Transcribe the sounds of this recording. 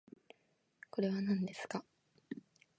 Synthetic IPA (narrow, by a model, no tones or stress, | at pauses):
ko̞ɾe̞βanãnd̪e̞sɨ̥ka